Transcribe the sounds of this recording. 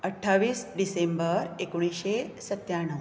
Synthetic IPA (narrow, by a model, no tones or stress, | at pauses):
əʈʰːaʋiːsɖisembəɾekoɽ̃iɕesət̪jaɽ̃ə